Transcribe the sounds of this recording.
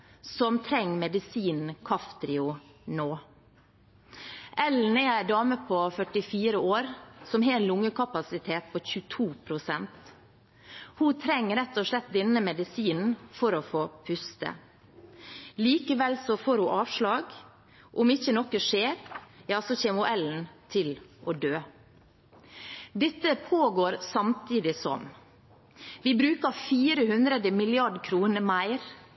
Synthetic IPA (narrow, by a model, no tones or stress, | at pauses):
sɔmt̪ʰɾɛŋːmɛd̪ɪsiːnn̩kʰɑft̪ɾɪʊnoː | ʔɛln̩ɛæɪdɑːməpʰɔfœʈɪfiːɾəoːɾsɔmɦeːnlʊŋːəkʰɑpɑsɪt̪ʰeːt̪̚pʰɔçʉt̪ʰuːpʰɾʊsɛnt̪ | hut̪ʰɾɛŋːəɾɛt̪ːɔʂlɛt̪̚d̪ɛnəmɛd̪ɪsiːnn̩fɔɾɔfoːpʰʉst̪ə̰ | liːkəʋɛlsɔfoːɾhʊʔɑːʋʂlɑːɡ | ʔʊmɪçənɔkəʂeːɾjɑːsɔçɛmʊʔɛln̩t̪ʰɪlʔɔd̪øː | d̪ɛt̪ːəpʰoːɡoːɾsɑmt̪ʰiːd̪ɪsɔ̰m | ʋɪːbɾʉːkəfiːɾəhʉnd̪ɾəd̪əmɪlɪɑɖkʰɾuːnəɾmæɪɾ